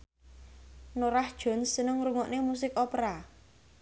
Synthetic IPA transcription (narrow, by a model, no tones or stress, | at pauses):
noɾahd̥ʒ̥ɔ̤nsːənəŋɾuŋɔʔnemus̬ɪkɔpɾa